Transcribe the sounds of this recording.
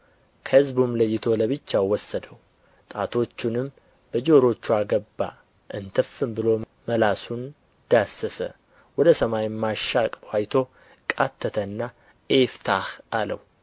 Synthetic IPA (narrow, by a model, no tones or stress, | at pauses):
kʰəhɨzbumləjːɪt̪ʰo̞ləβɨt͡ʃːawɔsːəd̪əw | t̪ʼat̪ʰo̞t͡ʃːunɨm | b̥əd͡ʒoɾo̞t͡ʃːuaɡəbːa̰ | ʔɨnt̪ʰəfːɨmbɨlo̞ | məlasun | d̪̥asːəsə̰ | wɔd̪əsəmajmaʃːakʼwajt̪ʰo̞ | kʼat̪ʰːət̪ʰənːa | ʔeft̪ʰahalə̰w